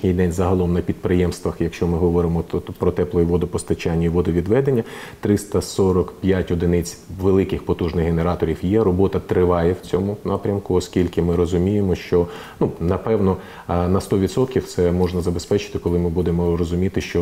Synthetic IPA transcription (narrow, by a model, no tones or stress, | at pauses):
nʲijd̪ɛnʲzɐɦɐlˠɔmnɐpʲid̪̚pɾɪjɛmst̪ʋɐxjɐkʃt͡ʃɔmɪɦɔʋɔɾɪmɔpɾɔt̪ɛplˠɔjiʋɔd̪ɔpɔst̪ɐt͡ʃanʲːʊjiʋɔd̪ɔʋʲid̪ʋɛd̪enʲːɐt̪ɾɪst̪ɐsɔɾɔkpʲjatʲɔd̪ɪnɪt͡sʲʋelˠɪkɪxpɔt̪uʒnɪxɦeneɾɑt̪ɔɾʲiwjɛɾɔbɔt̪ɐt̪ɾɪʋɑjɛwt͡sʲɔmʊnɑpɾʲɐmkʊɔskʲilʲkɪmɪɾɔzʊmʲijemɔʃt͡ʃɔ | nunɐpɛwnɔ | nɐst̪ɔʋʲid̪sɔt̪kʲiwt̪sɛmɔʒnɐzɐbe̞spɛt͡ʃɪ̥t̪ɪkɔlˠɪmɪbud̪emɔɾɔzʊmʲit̪ɪʃt͡ʃɔ